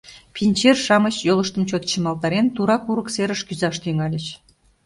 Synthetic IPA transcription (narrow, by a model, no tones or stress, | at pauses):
pʲinʲt͡ɕerʃɑmət͡ɕjolˠəʃt̪əmt͡ɕot̪t͡ɕimɑlˠt̪ɑɾent̪uɾɑkuɾəkseɾəʃkyzɑʃt̪yŋɑlʲət͡ɕ